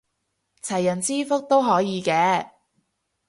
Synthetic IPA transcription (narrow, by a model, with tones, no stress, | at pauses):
t͡sʰɐ˨˩jːɐ˨˩nt͡siː˥fʊ˥k̚t̪o˥wɦɔː˨˥jiː˨˧kɛː˨˧